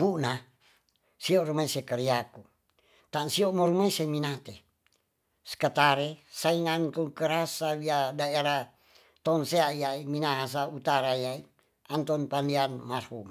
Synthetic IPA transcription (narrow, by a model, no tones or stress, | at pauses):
buna | siorumaisekəɾiaku | t̪ansiomoɾumaiseminat̪ḛ | skət̪aɾesaiŋant̪ukəɾasawiadaeɾa | t̪ɔnseaiaiminaɦas̬aut̪aɾaiai | ant̪ɔnpandianmarhum